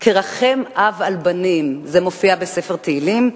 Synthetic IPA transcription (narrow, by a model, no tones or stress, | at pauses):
kʰeʁaχemʔavalbanimzemofiabesefeʁt̪eilim